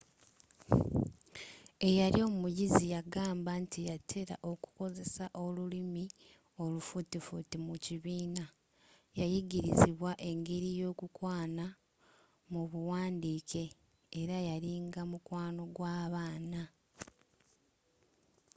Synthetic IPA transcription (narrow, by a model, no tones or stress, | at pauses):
e̞jaɾio̞mumujizijaɡaːmbantijatʰe̞ɾa̰ʔo̞ku̥ko̞ze̞saʔo̞lulimi | o̞lufutifutimuciβiːna | jajiɡiɾḭziβwaʔe̞ŋɡe̞ɾijo̞ːkukwaːna | muβuwaːndiːkʰe̞ː | ɾajaɾiŋɡamukwaːno̞ɡwaːβaːna